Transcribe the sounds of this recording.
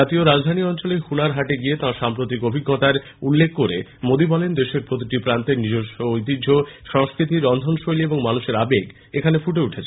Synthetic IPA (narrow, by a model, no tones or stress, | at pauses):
at̪ioɾad͡ʑd̪ʱaniɔnt͡ɕolehunaɾɦaʈeɡiet̪ãʃampɾot̪̬ikobʱiɡːɔt̪aɾ | ulːekʰːoɾemod̪ibɔlend̪eʃeɾpɾot̪iʈipɾant̪eɾnid͡ʑoʃoojt̪̬idd͡ʑʱoʃɔŋskɾit̪iɾɔnd̪ʱonʃojlieboŋmanuʃeɾabeɡ | ekʰanefuʈeuʈʰet͡ɕʰ